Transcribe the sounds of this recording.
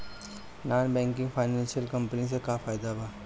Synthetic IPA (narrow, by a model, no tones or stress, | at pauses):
naːnbɛ̃ːŋkɪ̃ŋɡfʰaːɪnɛ̃ːnʃiəlkɐ̃mpənis̬ekaːfaːjd̪abʱaː